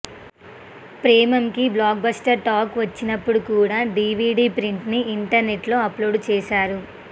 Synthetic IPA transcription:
pɾeːmɐmkiblaːk̚bɐsʈɐɾʈaːkʋɐt͡ʃːinɐpːuɽukuːɽaːɖiːʋiːɖiːpɾiɳʈniːɳʈɐɾne̞ʈlo̞ːɐploːɖt͡ʃɛːʃaːɾu

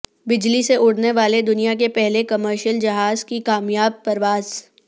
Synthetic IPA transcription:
bɪd͡ʒliseʔʊɽneʋaːled̪ʊnijak̬epɛɦlekɐməɾʃjəld͡ʒɐɦaːzkikaːmjaːb̚pɐɾʋaːz

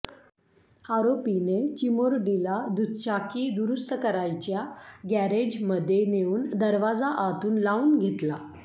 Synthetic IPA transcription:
aɾopinet͡ɕimoɾɖilad̪ut̪t͡ɕakiːd̪uɾust̪əkəɾajt͡ɕjaɡæɾed͡ʑməd̪ʱːjeneuːnd̪əɾʋad͡zaʔat̪uːnlauːnɡʱet̪la

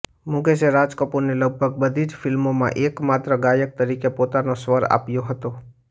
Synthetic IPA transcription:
mʊ̃ɡeseɾaːd͡ʒkəpuɾneləɡ̚bʱəɡ̚bəd̪ʱid͡ʒfʰɪlmõmã̰ʔeːkmaːt̪ɾəɡajək̚t̪əɾikepoːt̪anosʋəɾa̰ːpjoɦət̪o

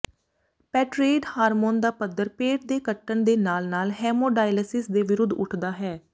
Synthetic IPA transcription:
pɛːʈɾeːɖhaːɾmoːnd̪aːpəd̪ːəɾpeːʈ̚d̪eːkəʈːəɳd̪eːnaːlnaːlɦɛːmoːɖaːjləsɪsd̪eːʋɪɾʊd̪ʱːʊ̰ʈʰd̪aːɦɛː

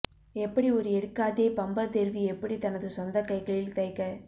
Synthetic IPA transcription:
ɛpːɐɽiɔɾɯɛɽɯkːaːðeːpɐmbɐt̪ɛɾʋiɛpːɐɽit̪ɐnɐðɯsɔnd̪ɐkɐɪkːɐɭɪlt̪ɐɪkːɐ

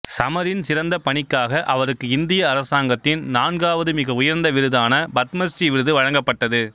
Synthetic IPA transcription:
sɐmɐɾɪnsɪɾɐnd̪ɐpɐɳɪkːaːɣɐʔɐʋɐɾɯkːɯɪnd̪ɪjɐːɾɐsaːŋɡɐt̪ːɪnnaːnɡaːʋɐðɯmɪɣɐʊjɐɾnd̪ɐʋɪɾɯðaːnɐbɐt̪mɐsʈriʋɪɾɯðɯʋɐɻɐŋɡɐpːɐʈːɐðɯ

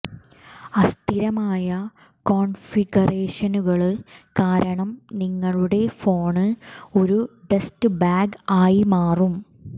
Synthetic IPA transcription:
ɐst̪ʰiɾɐmaːjɐ | ko̞ːnfiɡɐreːʂɐnuɣɐɭkaːɾɐɳɐmniŋːɐɭuɽe̞fo̞ːɳɨo̞ɾube̞stɨbaːɡaːjimaːrum

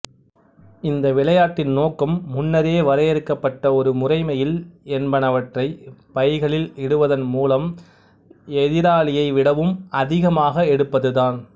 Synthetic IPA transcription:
ɪnd̪ɐʋɪɭɐjaːʈːɪnnoːkːɐmːʊnːɐɾeːʋɐɾɐjɛɾɯkːɐpːɐʈːɐɔɾɯmʊrɐɪmɐjɪlɛnbɐnɐʋɐʈrɐɪpɐɪɣɐɭɪlɛɽɯʋɐðɐnmuːlɐm | ɛðɪɾaːɭɪjɐɪʋɪɽɐʋɯmɐðɪɣɐmaːɣɐɛɽɯpːɐðɯðaːn

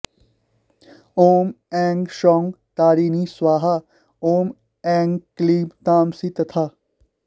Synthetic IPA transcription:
oːm | ɛ̃ːŋɡʃɔːŋɡ | t̪aːɾiːniswaːɦa | oːm | ɛ̃ːŋɡkliːbt̪aːmsit̪ɐt̪ʰaː

